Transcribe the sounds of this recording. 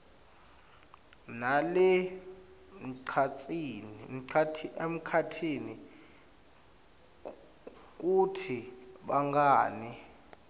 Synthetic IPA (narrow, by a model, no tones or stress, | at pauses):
nalɛ | m̩ǀʰat͡sʼin̩ʰatʰiem̩kʰatʰini | k̬ʼutʰiɓaŋɡaːni